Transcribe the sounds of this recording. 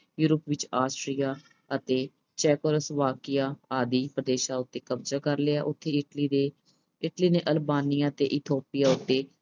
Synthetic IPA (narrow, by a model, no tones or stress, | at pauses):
juːɾəpʋɪt͡ʃaːsʈɾijaː | ət̪eː | t͡ʃɛːkoːləsʋaːkɪjaːaːd̪iːpəɾd̪eːʃaːʊt̪ːeːkəbd͡ʒaːkəɾleaːʔʊt̪ʰːeːʈliːd̪eː | ɪʈliːneːʔəlbaːnijãːət̪eːʔɪt̪ʰoːpijaːʊt̪ːeː